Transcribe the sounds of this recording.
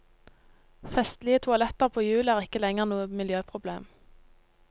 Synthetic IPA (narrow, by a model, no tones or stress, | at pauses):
fɛst̪lɪət̪ʰʊɑlɛt̪əʁpʰoːjʉːləæːʁɪkəlɛŋəʁnuːəmɪljøːpʰʁʊbleːm